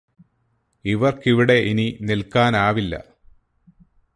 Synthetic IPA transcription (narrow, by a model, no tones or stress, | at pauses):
iʋɐrkiʋiɽe̞ʔininilkaːnaːʋilːɐ̰